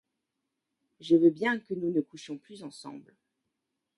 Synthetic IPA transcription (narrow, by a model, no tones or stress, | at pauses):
ʒəvøbjɛ̃kənunəkuʃjɔ̃plyzɑ̃sɑ̰̃bl